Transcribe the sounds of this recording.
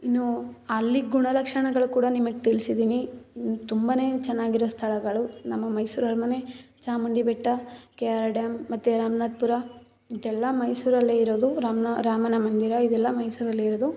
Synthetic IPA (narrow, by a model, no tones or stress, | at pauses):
inːuɐlːiɡuɳɐlɐkʂɐɳɐɡɐɭukuːɽɐnimɐɡet̪iɭisid̪iːnit̪umbɐne̞ːt͡ʃɛnːaːɡiɾoʋɐst̪ʰɐɭɐɡɐɭunɐmːɐmɐjsuːɾɐɾmɐnet͡ʃaːmɐɳɖibɛʈːɐkejaːɾaɖjɐmːɐt̪ːuɾaːmɐnaːd̪̚puɾɐ | id̪ɛlːɐmɐjsuːɾɐlːeːiɾoːd̪uɾaːmnɐɾaːmɐnɐmɐnd̪iɾɐid̪ɛlːɐmɐjsuːɾɐlːeiɾod̪u